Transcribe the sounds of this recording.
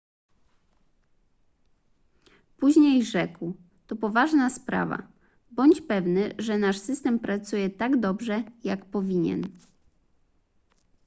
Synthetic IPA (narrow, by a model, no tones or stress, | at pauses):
puʑɲejʐɛkw | t̪ɔpɔvaʐnaspɾa̰va̰ | bɔɲt͡ɕpɛvnɘʐɛnaʂsɘst̪ɛmpɾat̪sujɛt̪aɡd̪ɔbʐɛjakpɔvʲiɲɛ̰n